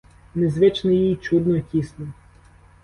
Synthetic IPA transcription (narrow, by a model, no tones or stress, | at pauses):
nezʋɛt͡ʃnɪjijt͡ʃud̪nɔkʲisnɔ